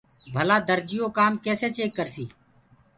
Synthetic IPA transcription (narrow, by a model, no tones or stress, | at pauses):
bʱəlaːd̪əɾd͡ʒɪjoːkaːmkɛːseːt͡ʃeːkːəɾsiː